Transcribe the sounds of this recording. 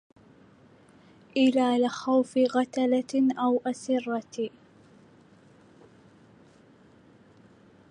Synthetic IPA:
ʔɪlaːlɪxawfɪɣat̪alaʔawʔasɪrˤːɑt

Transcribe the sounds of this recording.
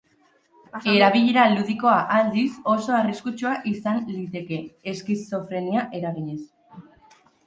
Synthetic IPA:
e̞ɾaβ̞iʎe̞ɾaluðiko̞aʔald̪iso̞so̞ariskut͡ʃuaʔisanlit̪e̞ke̞ːskiso̞fɾe̞niaʔe̞ɾaɣ̞iʎe̞s

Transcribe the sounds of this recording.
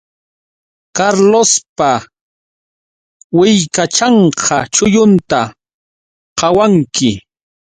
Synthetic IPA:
kaɾlospa | wɪjkat͡ʃɑɴqʰɑt͡ʃʊjʊnt̪a | qɑwaŋkɪ

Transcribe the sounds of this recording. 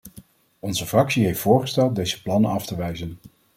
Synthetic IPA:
ɔnzəvrɑksiɦejftfʊːɹχəstɛlˠd̚dejzəplɑnənɑftəʋɛjzən

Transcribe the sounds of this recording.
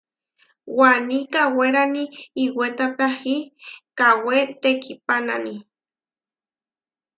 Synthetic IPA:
wanikaweɾaniːwet̪apahikawet̪ekipanani

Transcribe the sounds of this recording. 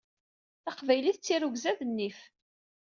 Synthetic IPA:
θɑqvæjliθt͡sːiɾuɡzæðənːif

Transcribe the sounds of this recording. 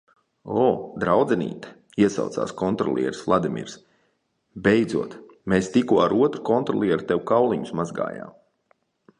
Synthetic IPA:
ɔːd̪ɾawd̪zɛnḭːt̪ḁ | iɛsa̰wt̪sa̰ːskɔnt̪ɾɔ̰lˠḭɛɾslˠad̪imʲḭɾs | bʲejd̪zuɔt̪ | meːst̪ikuɔaɾuɔt̪ɾukɔnt̪ɾɔ̰lˠiɛɾt̪ewukawlˠiɲu̥smazɡa̰ːja̰ːm

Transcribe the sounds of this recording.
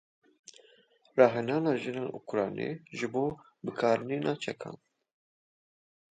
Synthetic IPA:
rɑːɦɛnɑːnɑːʒɨneːnʔṵkʰɾɑːnḛːʒɨboː | bɨkʰɑːɾniːnʔɑːt͡ʃʰɛkʰɑ̰ːn

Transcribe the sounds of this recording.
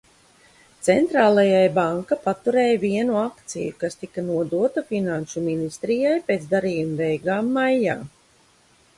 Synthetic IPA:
t̪sɛnt̪ɾaːlˠajajbaŋkapat̪uɾɛːjviɛnuakt̪sḭjukast̪ikanuɔd̪uɔt̪afinanʃuminist̪ɾijajpeːt̪zd̪aɾiːjumbɛjɡaːmːajːa̰ː

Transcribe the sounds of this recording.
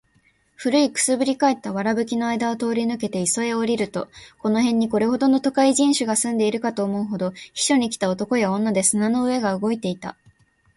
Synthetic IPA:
ɸɯ̟ɾɯ̟ikɯ̥sɨbɯ̟ɾʲikae̞t̪ːaβaɾabɯ̟kʲino̞aid̪aot̪o̞ːɾʲinɯ̟ke̞t̪e̞iso̞e̞o̞ɾʲiɾɯ̟t̪o̞ko̞no̞ɦẽ̞ɲ̟ːiko̞ɾe̞ho̞d̪o̞no̞t̪okaiʑĩɰ̃ɕɨɡasɨ̃nd̪e̞iɾɯ̟kat̪o̞ːmo̞ɯ̟ɦo̞d̪o̞çi̥ɕo̞ɲ̟ik̬ʲi̥t̪ao̞t̪o̞ko̞jaõ̞nːad̪e̞sɨnano̞ɯ̟e̞ɡaɯ̟ɡo̞it̪e̞it̪a̰

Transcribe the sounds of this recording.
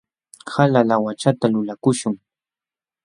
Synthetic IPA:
halalawat͡ʃat̪alʊlakʊʃʊŋ

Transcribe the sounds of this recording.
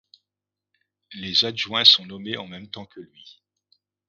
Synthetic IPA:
lezaʒwɛ̃sɔ̃nɔmeʔɑ̃mɛmt̪ɑ̃kʰəlɥi

